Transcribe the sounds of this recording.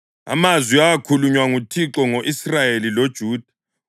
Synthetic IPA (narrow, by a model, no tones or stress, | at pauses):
a̰mazwiaakʰuluɲwaŋutʰiǁɔŋoʔisrajelilod̥ʒ̥ʱuːd̥ʱḁ